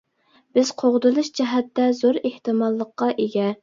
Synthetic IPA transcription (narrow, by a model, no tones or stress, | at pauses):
b̥ɪz̥qʰoʁd̪ɨlˠɨʃd͡ʒɛɦɛt̪ːɛzoɾeht̪ɨmɑlˠːəqːɑʔeɡʲɛ